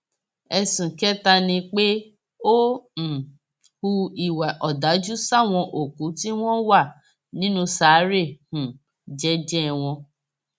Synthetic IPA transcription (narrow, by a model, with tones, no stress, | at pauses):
ɛ˧sũ˨kɛ˦ta˧nĩ˧k͡pe˦ | õ˦˨ | hu˧i˦˨wa˨ʔɔ˨da˨˦d͡ʒu˦sa˦˨w̃ɔ̃˧ʔo˨ku˨˦ti˦w̃ɔ̃˦wa˦˨ | nĩ˨˦nũ˧saː˨˦ɾe˦˨hũ˨ | d͡ʒɛ˦d͡ʒɛ˦˨w̃ɔ̃˧